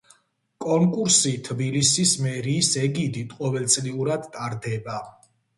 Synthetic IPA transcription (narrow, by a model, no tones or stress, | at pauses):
kʼɔŋkʼuɾsit̪ʰbilisismɛɾiːsɛɡid̪it̪ʼqʼɔvɛlt̪sʼliuɾad̪t̪ʼaɾd̪ɛba